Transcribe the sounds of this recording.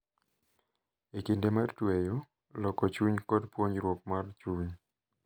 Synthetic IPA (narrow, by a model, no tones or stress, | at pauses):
ekindemartwejo | lɔkːɔt͡ʃuɲkɔdpwoɲɾwop̚mart͡ʃuɲ